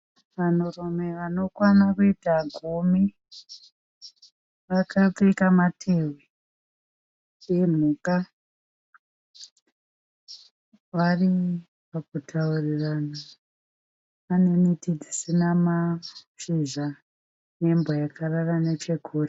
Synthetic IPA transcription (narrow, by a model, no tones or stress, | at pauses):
ʋan̤uromeʋano̞kwanakuitaɡʱumi | ʋakʰat͡seikamatʰewe | jem̤uka | ʋari | pakutʰaurirana | ane̞nitid͡zisinamaʂiʒa | ne̞mbojakʰararanet͡ʃe̞kʰuːre